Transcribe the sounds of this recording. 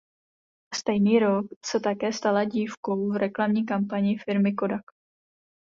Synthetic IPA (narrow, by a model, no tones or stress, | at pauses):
st̪ɛjniːɾo̞ksɛt̪akɛːst̪alaɟiːfkowvɾɛklamɲiːkampaɲɪɪfɪɾmɪkodak